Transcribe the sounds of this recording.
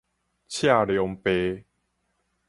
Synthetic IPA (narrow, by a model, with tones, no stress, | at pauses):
t͡ɕʰja˥˧˨ljɔ˨˧ŋpe˧˦